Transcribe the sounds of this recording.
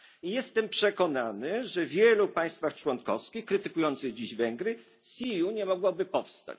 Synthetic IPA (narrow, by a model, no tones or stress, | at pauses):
ijɛst̪ɛmpʂɛkɔnanɘʐɛvʲjɛlupaj̃st̪faxt͡ʂwɔnkɔfskʲixkɾɘt̪ɘkujɔnt̪sɘɣd͡ʑiʑvɛŋɡɾɘ | sʲijuɲɛmɔɡwɔbɘpɔfst̪a̰t͡ɕ